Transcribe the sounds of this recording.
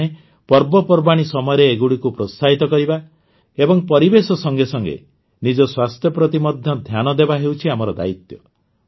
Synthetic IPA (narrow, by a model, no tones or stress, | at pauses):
e | pɔɾbɔpɔɾbaɽ̃isɔmɔjɔɾeːɡuɽikupɾosaɦit̪ɔkɔɾiba | ebɔŋpɔɾibesɔsɔŋɡesɔŋɡḛ | nid͡ʒɔswast̪ʰjɔpɾɔt̪imɔd̪ʱjɔd̪ʱjanɔd̪ebaɦewt͡ʃʰiamɔɾɔd̪a̰it̪jɔ